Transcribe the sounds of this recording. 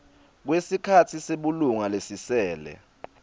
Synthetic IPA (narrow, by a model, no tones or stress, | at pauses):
k̬wesikʰatʰiseɓuluŋalesisɛːlɛ̰